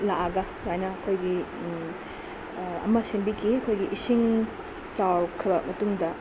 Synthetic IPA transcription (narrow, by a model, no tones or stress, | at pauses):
laɐɡɐ | ɡajnɐːkʰojɡi | ɐ̰mɐsenbikʰiɐkʰojɡiʔisiŋ | t͡ʃawkʰɾibɐmɐtuŋdɐ